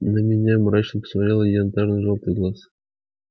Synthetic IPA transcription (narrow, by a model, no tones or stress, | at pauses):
nəmʲɪnʲamɾat͡ɕnəpə̥smɐɾʲelˠəjnt̪aʐnɨʐolˠt̪ɨjɡlˠas